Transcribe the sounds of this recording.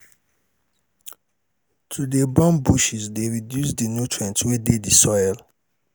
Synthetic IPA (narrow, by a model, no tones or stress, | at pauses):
tʰudebɔ̃mbuʃisdeɹidjusdenutʰɹɛ̃ntwededisɔɪl